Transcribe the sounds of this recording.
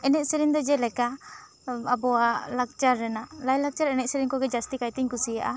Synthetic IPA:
ɛnɛʔ̪̚sɛɾiŋd̪ɔd͡ʒɛlɛka | abɔalak̚t͡ʃaɾːɛnaʔlajlak̚t͡ʃaɾɛnɛt̪̚sɛɾiŋkɔɡɛd͡ʒast̪ikajt̪iŋkusija̰ʔa

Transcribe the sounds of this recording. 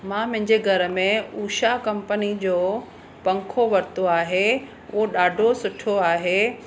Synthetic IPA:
mãːmɐ̃ɦɪ̃ɲd͡ʑeɡʱɐɾə̆mẽuːʃakɐ̃mpənid͡ʑoː | pɐ̃ŋkʰoʋɐɾt̪oaːɦe | ʊ̰ɦoɗaːɖʱosʊʈʰoaːɦeː

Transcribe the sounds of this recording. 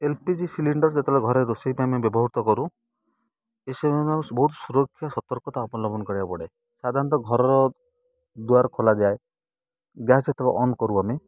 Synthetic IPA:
elpid͡ʒisiliɳɖɔɾd͡ʒet̪ebeɡʱɔɾeɾosipamebjɔbɔɦut̪ɔkɔɾu | esebmabɔɦut̪suɾɔkʰːjasɔt̪ɔɾkɔt̪aɔpɔlɔbɔnɔkɔɾiapɔɽe | sad̪ʱaɾɔnt̪ɔɡʱɔɾɔɾɔ | d̪uaɾkʰolad͡ʒae | ɡjaset̪ʰeba̰ʔɔnkɔɾuame

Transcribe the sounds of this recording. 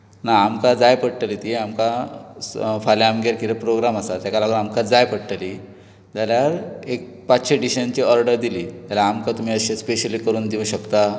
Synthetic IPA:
naamkad͡zajpəɽʈəlit̪ieamka | faljaamɡeɾkiɾepɾoɡɾaməsat̪jakalaɡnamkad͡zajpəɽʈəli | d͡ʑ̪aljaɾek̚ | pat̪ːɕeɖiɕənt͡ɕiəɾɖəɾd̪iliːt̪jalaamkat̪um̤iːəɕespeɕəlikəɾuːnd̪iũɕəkt̪a

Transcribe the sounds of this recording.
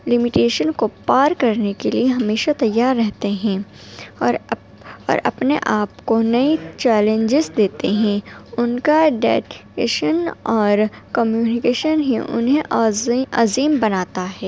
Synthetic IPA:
lɪmɪʈeːʃənkopaːɾkɐɾnekelieɦɐmeːʃat̪ɐjːaːɾːɛɦt̪eɦɛ̃ː | ɾ | ɔ̰ːɾʔɐ̰pneʔaːpkonɐit͡ʃɛːlẽɲd͡ʒɪzd̪eːt̪eɦɛ̃ʊnkaɖɛːʈḛʃənɔːɾkəmjuːnɪkeːʃənɦḭ̃ʔʊ̰nɦẽʔʔɐ̰ziːmbɐnaːt̪aɦɛː

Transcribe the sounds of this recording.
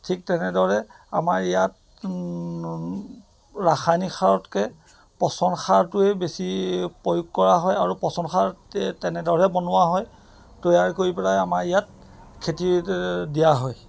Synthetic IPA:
tʰik̚tɛnɛdɔɹɛamaɹijat̚ | ɹaxʰajnixʰaɹɔtkɛ | pɔsɔnxaɹtʊɛbesipojukkːɔɹaɦɔjaɹupɔsɔnxʰaɹtɛnɛdɔɹɛbɔnʊwaɦɔj | tojaɹkoɹipɛɹajamaɹijat̚ | kʰetidijaɦɔj

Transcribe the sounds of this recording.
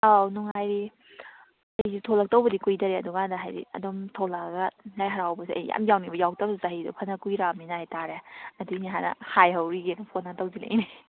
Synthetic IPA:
awnuŋajɾi | ɐjzitʰolak̚tɐwbɐdikujdɐɾeɐduɡadaɦajɾḭɐ̰dɔmtʰolaɡalajɦɐɾawbɐsiɐ̰jja̰mjawnibɐjaw̚tabsizaɦijdṵpʰɐnakujɾaminaajtaɾeɐduniɦanɐ̰hajɦɐwɾiɡenupʰonatawzilḛne

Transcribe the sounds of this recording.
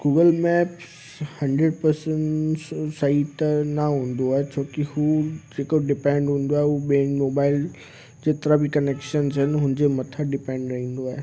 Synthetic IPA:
ɡ̥uːɡəlmɛːp | hɐ̃ɳɖɾeɖpɐɾsə̃ɳsɐɦit̪ɐnɐɦũːn̆d̪oaːɦet͡ɕʰoːkihud͡ʑeːkoɖɪpɛ̃ːɳɖɦũːn̆d̪oaːɦeɦuɓeːmoːbaːɪl | d͡ʑeːt̪ɪɾəbʱikɐneːkʃənzɦɪnɪ̆ɦʊ̃nɪ̃ɲd͡ʑemɐt̪ʰəɖɪpɛ̃ːɳɖɾɐɦĩːn̆d̪oaːɦe

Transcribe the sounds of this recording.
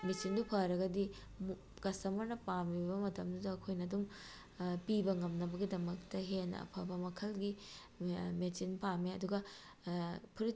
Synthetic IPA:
met͡ʃindupʰaɾɐɡɐdi | kɐsɐmɐɾnɐpamibɐmɐtʰɐmdudɐːkʰojnɐdum | pibɐŋɐmnɐbɐɡidɐmɐk̚tɐɦenɐ̰ɐ̰pʰɐbɐmɐkʰɐlɡi | met͡ʃinpameɐduɡɐ | pʰuɾi

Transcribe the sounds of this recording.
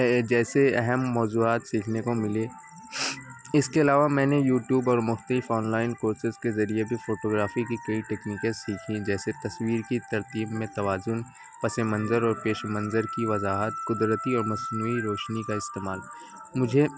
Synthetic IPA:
d͡ʒɛːseɛɦɛmːɔːzuːaːt̪siːkʰnekomɪle | ɪskeɐlaːʋamɛ̃ːnejuːʈjuːbɔːɾmʊxt̪lifoːnlaːɪnkoːɾsɪzkezɐɾiebʱifoːʈoːɡɾaːfikikɐiʈeːkniːkẽsiːkʰĩd͡ʒɛːset̪ɐswiːɾkit̪ɐɾt̪iːbmẽt̪ɐʋaːzʊn | pɐsemɐ̃nzəɾɔːɾpeːʃmɐ̃nzəɾkiʋɐzaːɦət̪kʊd̪ɾət̪iɔːɾmɐsnuːiɾɔːʃnikaɪst̪eːmaːl | mʊd͡ʒʱe

